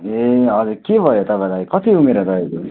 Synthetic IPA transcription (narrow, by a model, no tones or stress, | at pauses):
eʌd͡zuɾkebʱʌjot̪ʌpãlakʌt̪iumeɾaɾʌeko